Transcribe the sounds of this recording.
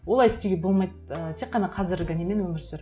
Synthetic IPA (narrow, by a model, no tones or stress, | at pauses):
wo̞lˠɑjɪst̪eɡʲebo̞lˠmɑjt̪ət̪ʰe̞qːɑnɑqʰɑzɪɾɡʲɪnemenwɵmɪɾseɾ